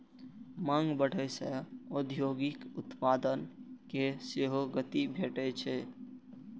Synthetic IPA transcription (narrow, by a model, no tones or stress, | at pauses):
mãŋɡbəɽ̤əjsəod̪ʱjoɡikut̪pad̪ənkeseɦoɡət̪ibʱeʈɛt͡ʃʰɛ